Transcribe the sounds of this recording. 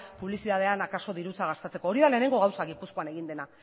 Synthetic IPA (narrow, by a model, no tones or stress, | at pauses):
puβlisiðað̞e̞anakaso̞ðiɾut͡saɣ̞ast̪et͡se̞ko̞ːɾiðale̞ːne̞ŋɡo̞ɣawsaɣipusko̞ane̞ɣ̞ind̪e̞na